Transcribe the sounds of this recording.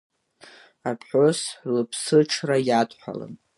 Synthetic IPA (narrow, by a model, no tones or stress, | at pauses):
apħʷoslɨpʰsɨʈ͡ʂʰrajatʼħʷᶣa̰lɨ̰n